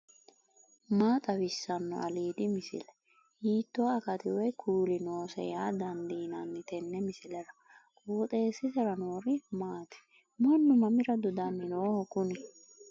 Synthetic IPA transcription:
maːt̪ʼɐwɪsːɐnːɔ̰ʔɐliːd̪ɪmɪsɪ̰lɛ | hiːt̪ːɔɐkɐt̪ɪwɛjkʰuːlɪno̞ːsɛ̰jaːd̪ɐnd̪iːnɐnːɪt̪ɛnːɛmɪsɪlɛɾɐ | kʼoːt̪ʼe̞ːsɪsɛɾɐnoːɾɪmaːt̪ɛ̥ | mɐnːʊmɐmɪɾɐd̪ʊd̪ɐnːɪnoːhɔkʼʊnɪ

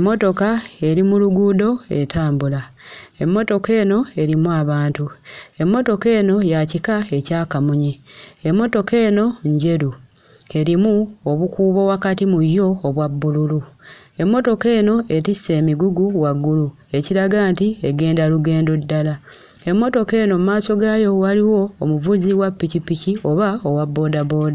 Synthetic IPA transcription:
emːo̞to̞kae̞ɾimuluɡuːdo̞e̞̰tʰaːmbulae̞mːo̞to̞ke̞ːno̞e̞ɾimuaβaːntue̞mːo̞to̞ke̞ːno̞jacikae̞caːkamuɲiemːo̞to̞ke̞ːno̞ɲɟe̞ɾu | e̞ɾimuoβukuːβo̞wakatimujjo̞ːβwabːululu | e̞mːo̞to̞ke̞ːno̞e̞tisːe̞ːmiɡuɡuwaɡːulu | e̞ciɾaɡaːntieɡe̞ːndaluɡe̞ːndo̞dːala | e̞mːo̞to̞ke̞ːnomumaːso̞ɡajo̞waliwo̞ːmuvuziwapːicipːicio̞βaowabːo̞ːdabo̞ːda

